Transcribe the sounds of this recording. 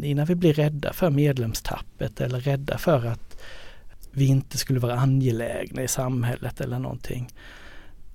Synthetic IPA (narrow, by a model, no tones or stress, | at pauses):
ɪnːanvɪblɪɾɛd̪ːa̰fœɾmeːd̪lɛmst̪ʰa̰pːət̪ʰɛlːəɾːɛd̪ːa̰fœɾat̪ | vɪɪnt̪əskɵlːəvɑːɾaanjɛlɛ̰ːɡnaɪsamɦɛlːʔət̪ʰɛlːəɳɔ̰nt̪ʰɪ̰ŋː